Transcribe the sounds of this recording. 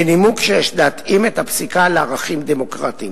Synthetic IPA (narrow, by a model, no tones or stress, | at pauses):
enimukʃejeʃdat̪imet̪hapsikaleaʁaχimd̪emo̞kʁat̪im